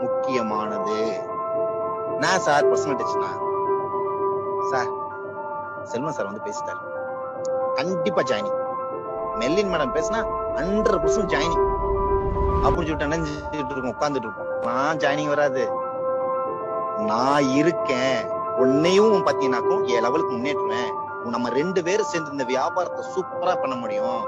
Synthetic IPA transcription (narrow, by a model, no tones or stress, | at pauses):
mʊkːɪjɐmaːnɐðɯ | nãːsaːɾpɾɐsɐnɐʈːɐt͡ʃːɪ̥nã̰ː | saːɾ | sɛlmãːsaːɾʋɐnd̪ɯpeːsɯ̥ʈːa̰ːɾ | kɐɳɖɪpːaːd͡ʒaːjnɪŋ | mɛlːɪnmɛːɽɐmpeːsɯnaːɐɳɖɾɐɾpɐɾsʊ̃md͡ʒaːjnɪ̃ŋ | ɐpːʊɾɪɲd͡ʒɪʈːɯnɐɲd͡ʒ | ʈːɾɯkːʊ̃ʊkːaːnd̪ɯʈ̬ːɾɯkːʊ̃nãːd͡ʒaːjnɪŋɡʋɐɾaːðɯ | nãːɪɾɯkːẽː | ɔnːɐjʊ̃ʊ̃paːt̪ːɪŋɡɐnaːkɐɽʊ̃eːlɛʋɐlɯkːɯmʊnːeːʈːɯʋẽː | nɐmːɐɾɛɳɖɯpeːɾsɛːnd̪ɪɾɯnd̪ɐʋɪjaːbaːɾɐt̪ːɐsuːpɐɾaːpɐɳːɐmʊɽɪjʊ̃